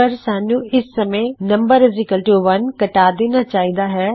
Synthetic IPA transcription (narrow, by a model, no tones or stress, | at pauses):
ɐɾsaːnũɪsːɐmenɐ̃mbəɾɪzɪkəlʈuʋɐnkɐʈaːd̪eːnat͡ʃaːɦĩnd̪aɦɛː